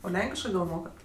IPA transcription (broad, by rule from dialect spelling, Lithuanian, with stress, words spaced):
oː ˈlʲɛŋʲkʲɪʃkɜ ɡɐlˠ ˈmoːkɐt